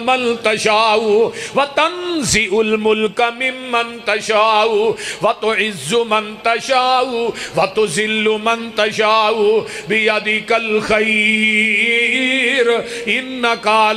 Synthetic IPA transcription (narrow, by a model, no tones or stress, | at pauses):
mɐnt̪ɐʃaːʊwɐt̪ɐnzɪʔʊlmʊlkamɪmːɐnt̪ɐʃaːʊwɐt̪ʊʕɪzːʊmɐnt̪ɐʃaːʊwɐt̪ʊzɪlːʊmɐnt̪ɐʃaːʊ | bɪjɐd̪ɪkɐlxɐj | ɾ | ʔɪnːɐkaːl